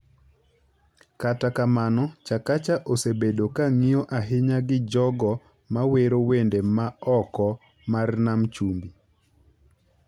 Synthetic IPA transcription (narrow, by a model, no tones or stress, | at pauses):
katakamanɔt͡ʃakat͡ʃaʔosebedokaŋiɔʔaɦɪɲaɡɪd͡ʒɔɡɔ | maweɾowendemaɔkɔ | marnamt͡ʃumbi